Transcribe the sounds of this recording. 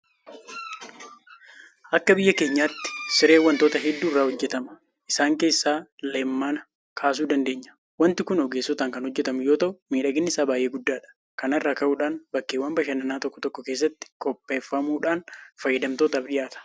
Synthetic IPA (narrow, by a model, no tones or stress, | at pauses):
ʔɐkːɐbɪjːɐke̞ːɲːaːt̪ːɪ̥sɪɾe̞ːwːɐnt̪oːt̪ɐɦɛd̪ːuːɪrːaːhɔd͡ʒːɛt̪ɐmɐ | ʔɪsaːŋke̞ːsːaːlemːaːnɐ | kʰaːs̬uːd̪ɐnd̪e̞ːɲːɐ̥ | wɐnt̪ɪkʊnɔɡeːsːɔt̪aːŋkɐnhɔd͡ʒːɛt̪ɐmʊjo̞ːt̪ɐʔʊmiːᶑɐɡɪnːɪsaːbaːjʔe̞ːɡʊd̪ːaːᶑɐ̥ | kɐnɐrːaːkɐʔuːᶑaːnbɐkːeːwːɐmbɐʃɐnɐnaːt̪ɔkːɔt̪ɔkːɔkeːs̬ːɐt̪ːɪ̥kʼɔpːeːfːɐmuːᶑaːnfɐjːɛd̪ɐmt̪o̞ːt̪ɐɐfᶑɪjaːt̪ɐ̥